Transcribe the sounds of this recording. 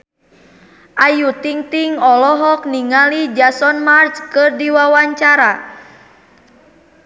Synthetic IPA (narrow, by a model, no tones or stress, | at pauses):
ʔajut̪iŋt̪iŋɔlɔɦɔk̚niŋalid͡ʒasɔnmart͡ʃkɨrdiwawaɲt͡ʃaɾa